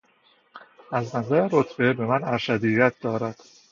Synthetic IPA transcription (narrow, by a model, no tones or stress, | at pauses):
æznæzæɾeɾot̪ʰb̥e̞be̞mænæɾʃæd̪ijæt̪̚ʰd̪ɒːɾæd̪̥